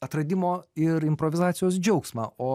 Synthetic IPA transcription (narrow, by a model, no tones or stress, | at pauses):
ɐt̪ɾɐd̪ʲɪmoːɪɾɪmpɾoːʋʲɪzɑːt̪sʲɪjoːsd͡ʒʲɛʊksmɑ̰ːoː